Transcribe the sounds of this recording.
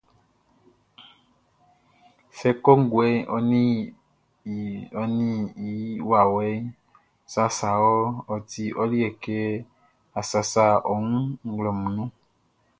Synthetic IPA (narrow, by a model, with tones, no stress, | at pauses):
sɛ˦kɔ˦ŋ̩˦ɡu˨ɛ˦ɔ̰˦nĩ˦˨ | ɔ˦nĩ˦i˨˦wa˨wɛ˦ | sa˦sa˨wɔ˦ɔ˨t̪i˨ʔɔ˦li˦ɛ˨kɛ˦ | a˨sa˨sa˦ɔ˨ŋũ˦ŋ̩˦ɡlɔ˨mũ˨nũ˦